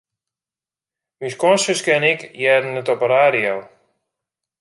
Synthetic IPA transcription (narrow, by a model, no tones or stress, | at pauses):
miskɔnsəskɛnɪkjɛdn̩ətɔpəɾaːɾijow